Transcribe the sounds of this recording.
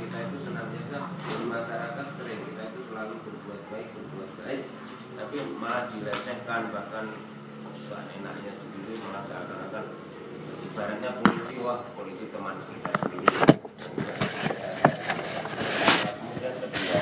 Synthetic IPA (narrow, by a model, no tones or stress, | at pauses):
kit̪ait̪usənaŋbiasadənmaʃaɾakat̪̚səɾɪŋkit̪ait̪usəlalubərbuat̪̚baɪk̚bənbuat̪̚baɪk̚ | t̪apimaladilət͡ʃəkanbahkan | usa̰nena̰ʔɲasəndiɾiməmasaɾakaɾakat̪̚ | apisaɾanɲapolisiwahpolisit̪əmansəkit̪asəndiɾi | əat̪a | aaakmudiat̪ədia